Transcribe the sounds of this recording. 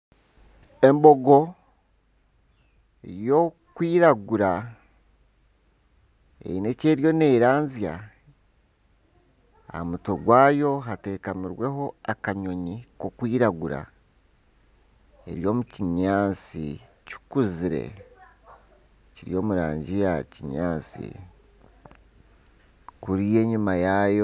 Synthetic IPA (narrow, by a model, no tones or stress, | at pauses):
e̞mbo̞ɡo̞ | jo̞ | kwiːɾaɡuɾa | ḛine̞ce̞ːɾjo̞ne̞ːɾaːɲzja̰ | a̰muto̞ɡwaːjo̞ɦate̞ːkamiɾwe̞ɦo̞akaɲo̞ɲiko̞kwiːɾaɡuɾa̰ | e̞̰ɾjo̞ːmuciɲaːt͡sḭ | cu̥kuziɾe̞̰ | ciɾḭjo̞ːmuɾa̰ːɲɟijaciɲaːt͡sḭ | kuɾije̞ːɲumajajo